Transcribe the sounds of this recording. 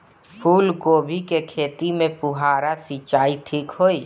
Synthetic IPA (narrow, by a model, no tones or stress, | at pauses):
pʰuːlɡoːbʱikekʰeːt̪imẽpʊɦaːɾasit͡ʃaːiʈʰiːkɦoːi